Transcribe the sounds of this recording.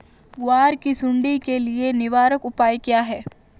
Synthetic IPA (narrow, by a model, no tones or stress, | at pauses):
ʋaːɾkisʊ̃ɳɖikelienɪʋaːɾəkʊpaːjkjaɦɛː